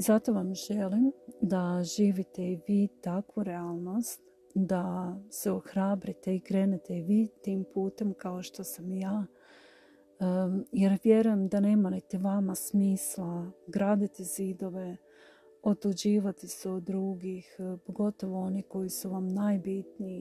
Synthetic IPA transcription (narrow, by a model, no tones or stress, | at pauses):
izat̪o̞ʋamʒelimd̪aʒiːʋit̪e̞iʋiːt̪akʋuɾeaːlˠno̞st̪ | d̪aseoxɾaːbɾit̪e̞ikɾe̞ːnet̪e̞iʋiːt̪iːmpuːt̪e̞mkao̞ʃt̪o̞samjaː | jeɾʋje̞ɾuje̞md̪ane̞ːmanit̪iʋamasmiːslˠaɡɾaːd̪it̪ezid̪o̞ʋe̞ | o̞t̪ud͡ʑiːʋat̪iseod̪ːɾuːɡixpoɡo̞t̪o̞ʋoo̞niko̞jisuʋamnajbit̪ni